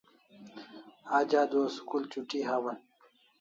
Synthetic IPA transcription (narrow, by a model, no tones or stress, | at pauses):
aːd͡ʑaːd̪oːskult͡ɕuʈiɦawɐn